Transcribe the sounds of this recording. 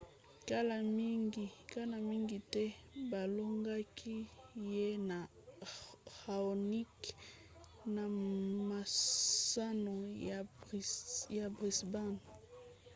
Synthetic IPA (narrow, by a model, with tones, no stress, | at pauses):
ka˦la˨mi˦ŋɡi˨ka˦na˨mi˦ŋɡi˨tɛ˦ba˨lo˦ŋɡa˦kʰi˦je˦na˨ | xa˨o˨ni˦k | na˨ma˨sa˦no˨ | ja˨bʁi˨sba˦˨n